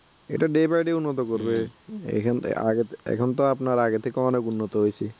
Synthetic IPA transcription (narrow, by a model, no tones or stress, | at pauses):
ḛʈaɖebajɖeunːɔt̪ɔkoɾbeɛ̰kʰn̰a̰ɡet̪ɛ̰kʰɔnt̪ɔapnaɾaɡet̪ʰekeɔnɔkunːɔt̪ɔɦojsʰe